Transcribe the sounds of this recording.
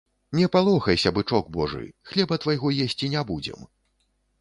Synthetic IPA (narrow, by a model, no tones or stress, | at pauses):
nʲɛpalˠɔxɐjsʲɐbɨt͡ʂɔɡ̚bɔʐɨ̰xlʲɛbɐt̪vajɣɔjesʲt͡sʲinʲabud͡zʲɛ̰m